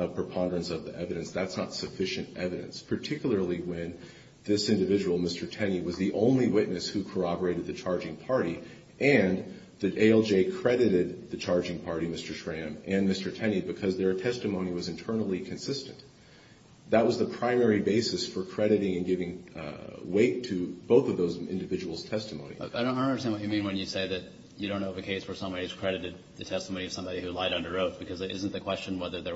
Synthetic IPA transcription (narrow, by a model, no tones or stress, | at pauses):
ʌpʰɹ̥ɨpʰɑ̃ndəɹɨ̃nsʌvðiʔɛvɨɾɨ̃nsðætsnətsɨfɪʃɨ̃ntɛvɨɾɨ̰̃nspʰə˞tʰɪkjl̩ˠə˞lˠiwɨ̃n | ðɪsɪ̃ndɨvɪd͡ʒəwl̩ˠmɪstə˞tʰɛniwʌzðiʔõ̰ʊ̃nliwɪtⁿnɨshʉkʰə˞ɑbə˞eɪɾɨd̪̚ðɨt͡ʃʰɑɹd͡ʒɪ̃ŋpʰɑɹɾi | ʔɨ̃n | ðiʔeɪɛlˠd͡ʒeɪkʰɹ̥ɛɾɨɾɪd̪̚ðɨt͡ʃʰɑɹd͡ʒɪ̃ŋpʰɑɹɾimɪstə˞ʃɹæ̃mɨ̃nmɪstə˞tʰɛñibɨkʰʌzðə˞tʰɛstɨmõʊ̃niwʌzɨ̃ntʰɜ˞nl̩ˠikʰɨ̃nsɪstɨ̃n | ðət̚wʌzðəpʰɹ̥ãɪ̃mɛɹibeɪsɨsfə˞kʰɹ̥ɛɾɨɾɪ̃ŋɨ̃nɡɪvɪ̃ŋ | weɪtʰɨb̥oʊθʌvðoʊzɪ̰̃ndɨvɪd͡ʒəwl̩ˠz̥tʰɛstəmõʊ̃nḭ̃ññəstæ̃nwʌt͡ʃɨmĩnwɨ̃njɨseɪðɨt͡ʃ | ɨɾõʊ̃nːoʊʌvɨkʰeɪsfə˞sʌ̃mbɑiɨz̥kʰɹ̥ɛɾɨɾɨd̪̚ðɨtʰɛstəmõʊ̃niʌvsʌ̃mbɑɾihʉlaɪɾʌ̃ndə˞ɹoʊt̚b̥ɨkʰʌzɨɾɪ̰z̃n̩ðɨkʰw̥ɛst͡ʃɨ̃nwɛðə˞ðə˞